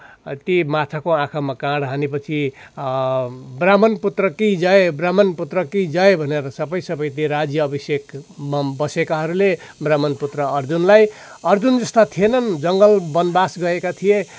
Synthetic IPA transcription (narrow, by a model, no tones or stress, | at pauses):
t̪imat̪ʰakoãkʰamakãɽɦanepʌt͡sʰi | bramʌnput̪rʌkid͡zʌebramʌnput̪rʌkid͡zʌebʱʌneɾʌsʌbʌjsʌbʌjt̪iɾad͡zjʌːbʌsjekmabʌsekaɦʌɾule | bramʌnput̪rʌʌrd͡zunlaj | ʌrd͡zund͡zʌst̪at̪ʰijenʌnd͡zʌŋɡʌlbʌnbasɡʌekat̪ʰije